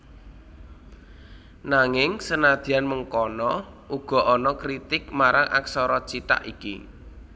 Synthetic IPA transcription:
naŋɪŋsənad̪̥i̤anməŋkɔnɔ | ʔuɡ̥ɔ̤ʔɔnɔkɾit̪ɪk̚maɾaŋa̰ksɔɾɔt͡ʃit̪a̰ʔikḭ

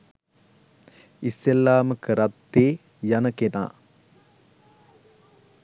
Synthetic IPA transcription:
isːelːaːməkəɾat̪ːeː | janəkena̰ː

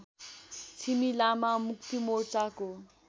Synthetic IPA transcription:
t͡sʰimilamamuk̚t̪imort͡sako

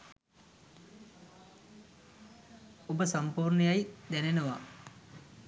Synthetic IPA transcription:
obəsampuːrɳəjajd̪ænenəʋa

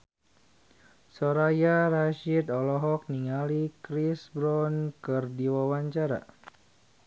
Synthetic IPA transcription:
sɔɾajaraʃidɔlɔɦɔk̚niŋalikɾisbɾɔnkɨrdiwawaɲt͡ʃaɾa̰

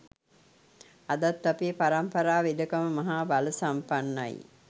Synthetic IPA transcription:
ad̪at̪ːapeːpaɾampɐɾaːʋed̪əkaməmaɦaːbaləsampanːa̰j̰

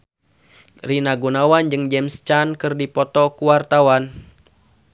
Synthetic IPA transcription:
rinaɡunawand͡ʒɨŋd͡ʒɛmst͡ʃankɨrdipɔt̪ɔkuwart̪awan

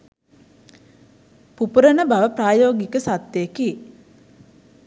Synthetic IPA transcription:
pupuɾənəbaʋəpɾaːjoːɡikəsat̪jeki

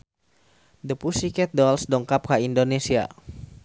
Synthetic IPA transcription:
dəpusikɛt̪̚dɔlsdɔŋkap̚kaindonesia̰

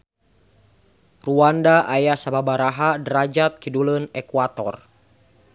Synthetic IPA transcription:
ruandaʔajasababaɾaɦadɾad͡ʒat̪̚kidulənɛkuat̪ɔr

